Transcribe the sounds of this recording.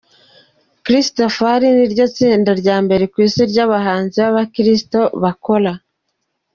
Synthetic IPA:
kɾistofhaɾiniɾɟo̞t͡siːndaɾɟaːmbe̞ɾe̞kwiːsiɾɟaβaɦaːnziβaβakɾisto̞βako̞ɾa

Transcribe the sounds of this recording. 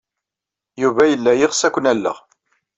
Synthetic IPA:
juvæjəlːæjɪʁsækʷənælːə̰ʁ

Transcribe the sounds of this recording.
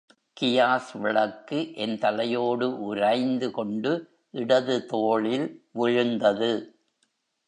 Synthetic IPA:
kɪjaːsʋɪɭɐkːɯʔɛnt̪ɐlɐjoːɽɯʔʊɾɐɪnd̪ɯkɔɳɖɯ | ʔɪɽɐðɯt̪oːɭɪlʋʊɻɯnd̪ɐðɯ

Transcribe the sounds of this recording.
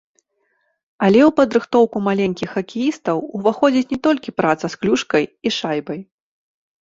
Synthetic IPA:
ɐlʲɛwpɐd̪ɾɨxt̪ɔwkumalʲenʲkʲixːɐkʲijist̪ɐwuvaxɔd͡zʲit͡sʲnʲɛt̪ɔlʲkʲipɾat̪sɐsklʲuʂkɐjiʂajbɐj

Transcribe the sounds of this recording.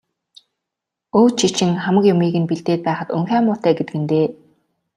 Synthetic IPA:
oːt͡ɕʰit͡ɕɪ̆ŋχamə̆kjʊmiːɣɘ̆npiɮt̪eːt̪̚pæːχə̆t̪ɵŋxʲæːmʊːt̪æːɡet̪ɘ̆ɡɘ̆nt̪eː

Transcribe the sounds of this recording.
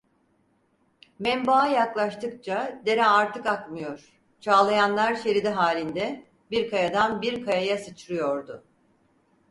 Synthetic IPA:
mɛmbajaklˠaʃt̪ʰɯkt͡ʃʰad̪e̞ɾɛaɾt̪ʰɯkakmɯjo̞ɾ̥ | t͡ʃʰaːlˠajanlˠaɾʃe̞ɾid̪ɛɦaːlʲind̪ɛ | biɾkʰajad̪anbiɾkʰajajasɯt͡ʃɾɯjo̞ɾd̪ʊ

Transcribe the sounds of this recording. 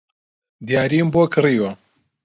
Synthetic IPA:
d̪jaːɾimbokʰɨriːwɐ

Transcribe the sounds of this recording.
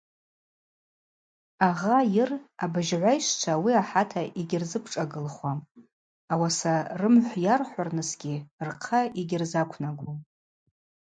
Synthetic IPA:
aʁajɪrabɨʒʕʷajʃʷt͡ʃʷʰawiaħatʰaʔiɡʲɪrzɨpʰʈ͡ʂʼaɡɨlχwam | awasarɨmħʷjarħʷarnɨsɡʲirqʰaiɡʲɪrzakʷʰnaɡʷom

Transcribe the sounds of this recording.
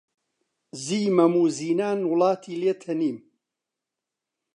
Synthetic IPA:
ziːmɐmuːziːnaːnwʊlɑːt̪ʰiːleːt̪ʰɐniːm

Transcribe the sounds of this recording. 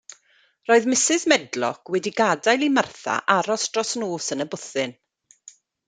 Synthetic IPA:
roːɨðmɪsɪzmɛdlɔ̰kʰwɛdiɡadajlˠimarθa̰ʔaɾɔsdrɔsnoːsənəbʊθɪn

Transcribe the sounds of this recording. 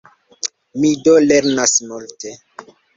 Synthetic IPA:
midoleɾnasmulte

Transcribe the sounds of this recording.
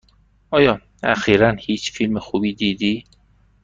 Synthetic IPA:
ɒːjɒː | æ̰xiːɾænhiːt͡ʃʰfilmexubiːd̪iːd̪iː

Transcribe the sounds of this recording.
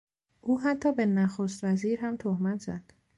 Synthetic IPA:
ʔuːɦæt̪ʰːɒːbe̞næxoːst̪væziːɾɦæmt̪ʰohmæt̪zæ̰d̪̥

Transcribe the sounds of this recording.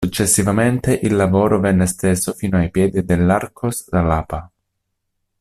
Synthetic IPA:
sut͡ʃːesːivament̪eʔilːavoːɾovɛnːest̪esofiːnoajpjɛːd̪id̪elːarkʰosd̪alaːpa

